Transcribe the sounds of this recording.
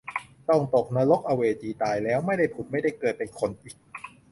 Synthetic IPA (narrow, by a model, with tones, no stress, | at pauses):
t̪ɔ˥˩ŋt̪o˨˩k̚naː˧˥lo˦˥k̚ʔa˧weː˧t͡ɕiː˧˩t̪aː˨˩jlɛː˦˥wma˥˩jda˥˩jpʰu˨˩t̪̚ma˥˩jda˥˩jkɤː˨˩t̪̚pe˧nkʰo˧nʔiː˨˩k̚